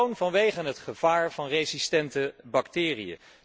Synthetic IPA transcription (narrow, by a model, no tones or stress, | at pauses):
wnvɑnʋejχənɦətχəv̥aːɹvɑnrejzistɛntəbɑktɪːrḭə̰